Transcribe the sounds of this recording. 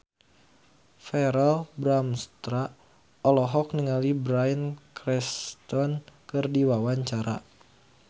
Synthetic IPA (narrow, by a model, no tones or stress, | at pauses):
fɛɾɛlbɾamst̪ɾa | ɔlɔɦɔk̚nəŋalibɾaənkɾɛst̪ɔnkɨrdiwawaɲt͡ʃaɾa̰